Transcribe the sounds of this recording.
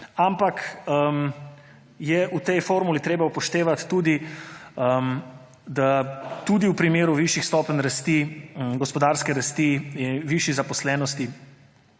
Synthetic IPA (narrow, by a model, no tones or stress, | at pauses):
ampakm | jɛʔut̪ɛjfoːɾmulit̪ɾeːbaupɔʃt̪eːʋat̪ːuːd̪iə | d̪at̪ud̪iwpɾimeːɾuʋiʃixst̪ɔːpənɾast̪iɡɔspɔd̪aːɾskɛɾast̪iiʋiʃizapɔslɛːnɔst̪i